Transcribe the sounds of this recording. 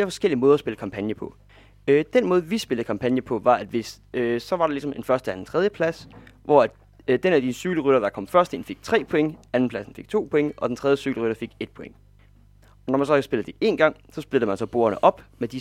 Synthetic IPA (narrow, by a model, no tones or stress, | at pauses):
fle̝ːɐfɒ̽sɡ̥el̰iəmɔ̽ːðˠɐsb̥e̝ləkʰɑ̈mpʰænjəpʰɒ̽ | ød̥enmɔːð̞ˠʋisb̥e̝ld̩ˠkʰɑ̈mpʰænjəpʰɒ̽ʋɑ̈æd̥ʋe̝s | sɒ̽ʋɑ̈ɾ̥e̝lisɒ̽me̝nfɶɐsd̥əæd̥en̩t͡sʰʁɛðˠjəpʰlæsʋɒæd̥ | d̥enæd̥isəsyɡ̥ləʁyɾ̥ɐd̥ɑ̈kʰɒ̽m̰fɶɐsd̥e̝nfe̝ɡ̥̚t͡sʰʁɛ̰ːpʰoɔ̽eŋəæn̩pʰlæsn̩fe̝ɡ̥t͡sʰo̝̰ːpʰɔ̽eŋəʔɒ̽d̥ent͡sʰʁɛðˠjəsyɡ̥ləʁyɾ̥ɐfe̝ɡ̥e̝d̥̚pʰɔ̽eŋə | ɒnɒmænsɒ̽kæsb̥e̝ləd̥e̝ʔe̝̰ːnɡ̥ɑ̈ŋ̰sɒ̽sb̥eld̩ˠmænsɒ̽b̥o̝̰ːɐnəʔɒ̽b̥med̥i